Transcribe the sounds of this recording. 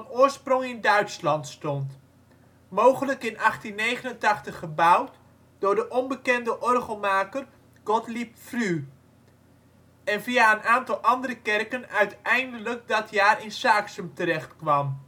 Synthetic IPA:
ɑnʊːɹsprɔŋɪndœɥtslɑntstɔnt | mowχələkɪnɑχtinːejχənəntɑχtəχəbʌwt | d̥ʊɹdəʔɔnbəkɛndəʔɔrχəlˠmaːkər | ɡ̥ɔtlipfry | ɛnvijaənaːntɑlˠʔɑndəɾəkɛrkənœɥtɛjndələk̚dɑtjaːrɪnsaːksəmtəɾɛχtkʋɑm

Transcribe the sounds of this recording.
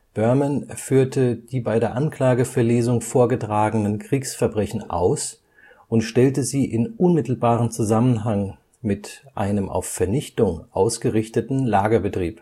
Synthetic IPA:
b̥œɐmanfyːɐtəd̥iːbaɪdeːɐʔankl̥aːɡəfɛɐleːzʊŋfoːɐɡətʁ̥aːɡənənkʁ̥iːksfɛɐbʁɛçn̩ʔa̰ʊs | ʔʊntʃtɛltəziːʔɪnʔʊnmɪtl̩baːʁənt͡suzamənɦaŋ | mɪtʔa̰ɪnəmʔa̰ʊfɛɐnɪçtʊŋʔa̰ʊsɡ̥əʁɪçtətn̩laːɡɐbətʁ̥iːp

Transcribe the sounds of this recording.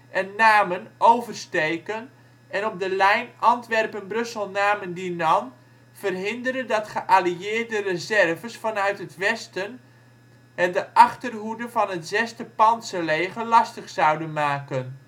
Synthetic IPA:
ʔɛnːaːmənowvərstejkən | ʔɛnɔp̚dəlɛjnɑntʋɛrpənbrɵsəlˠnaːməndinɑn | v̥ərɦɪndərəndɑtχəʔaliɪːrdərəzɛrvəsfɑnœɥtɦətʋɛstən | ɛdəʔɑχtərɦudənvɑnɦətzɛstəpɑnsəlejχəlɑstəχsɑwdənmaːkən

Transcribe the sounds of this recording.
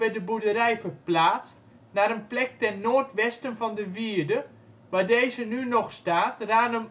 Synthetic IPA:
ʋɛdəbudəɾɛjfərplaːt͡st | naːɾənplɛk̚tɛnnoːrtʋɛstənfɔndəʋiərdə | ʋaːdejzənynɔχstaːtraːnəm

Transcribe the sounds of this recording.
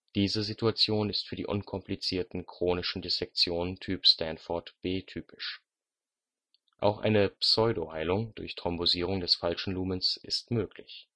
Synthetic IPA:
d̥iːzəzituat͡sjoːnɪstfyːɐdḭːʔʊnkʰɔmplit͡siːɐtn̩kʁ̥oːnɪʃn̩desɛk̚t͡sjoːnəntʰyːpstʰɛntfɔɐtb̥eːtʰyːpɪ̥ʃ | ʔa̰ʊxʔa̰ɪnəpsɔʏdohaɪlʊŋd̥ʊɐçtʁ̥ɔmboziːʁ̞ʊŋdɛsfalʃn̩luːmənsʔɪstmøːklɪç

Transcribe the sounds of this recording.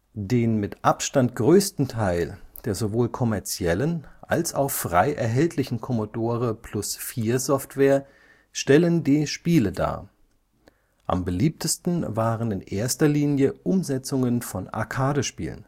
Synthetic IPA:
d̥eːnmɪtʔapʃtantɡ̥ʁøːstn̩tʰaɪld̥eːɐzovoːlkʰɔmɛɐt͡sjɛlənʔa̰lsa̰ʊxfʁ̥a̰ɪʔɛɐɦɛltʰlɪçn̩kʰɔmodoːʁ̞əpʰl̥ʊsfiːɐzɔftv̥eːɐ | ʃtɛləndiːʃpiːləda̰ː | ʔa̰mbəliːp̚tʰəstn̩vaːʁənɪnʔeːɐstɐliːnjəʔʊmzɛt͡sʊŋənfɔna̰ɐkʰaːɾəʃpḭːlə̰n

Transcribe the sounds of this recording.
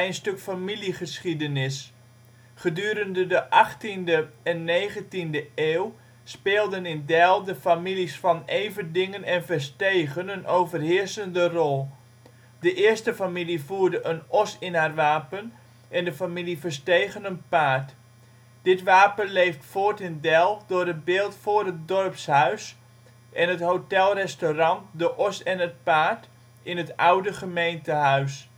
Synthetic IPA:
ɛjnstøkfamiliχəsχidənɪs | χədyːɾəndədəʔɑχtindəɛnːeːχəntindəeːw | speːlˠdənɪndɛlˠdəfamilisfɑnejvəndɪŋənɛnvəɹsteːɣənənowvərɦɪːɹsəndərɔlˠ | dəʔɪəɹstəfamilivuːɹdəʔənɔsɪnɦarʋaːpən | ʔɛndəfamilifəɹstejɣənənpaːt | d̥ɪtʋaːpənlejftfoːɹtɪndɛlˠdʊːrətbɪːlˠtfʊːrɦət̚dɔrpshœɥs | ʔɛnɦətɦowtɛlˠrɛstorɑntdəʔɔsɛnət̚paːt | ɪnɦətawdəχəmejntəɦœɥs

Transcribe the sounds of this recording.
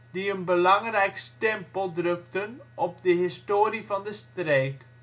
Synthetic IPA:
diənbəlɑŋrɛjkstɛmpəlˠdrɵktənɔp̚dəɦɪstoːɾivɑndəstreːk

